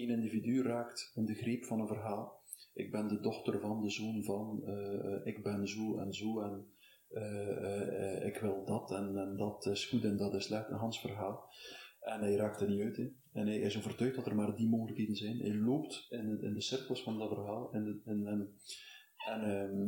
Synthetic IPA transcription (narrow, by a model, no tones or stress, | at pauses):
enɪndividyraːktɪndəɣreːpfɑnənvərɦaːlˠ | ʔɪɡ̚bɛndədɔxtərvɑndəzoːnvɑnəɪɡ̚bɛnzoːɛ̰nzoːɛnː | ɪ̰kʋɪlˠdɑtʰɛnɛndɑtɪsxutɛndɑtɪslɛxtənɦɑnsfərɦaːlˠɛnɛjraːk̚tərniœɥtɪ | ɛnɦɛjɪsoːvərtœɥxtdɑtərmaːrdimoːɣələkɦeːdənzɛjnɛ̰jloːptɪnɪ̰ndəsɪrkəlˠsfɑndɑtvərɦaːlˠɪnnɛn | ɛnː